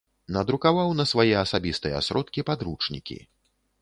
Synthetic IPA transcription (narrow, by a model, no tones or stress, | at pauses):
nɐd̪ɾukavawnɐsvajɛɐsabʲist̪ɨjɛ̰a̰sɾɔt̪kʲipad̪ɾut͡ʂnʲḭkʲḭ